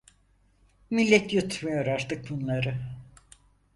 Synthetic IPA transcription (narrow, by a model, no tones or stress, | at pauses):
milʲːɛt̪jut̪ʰmijo̞ɾaɾt̪ʰɯk̚bunlˠaɾɯ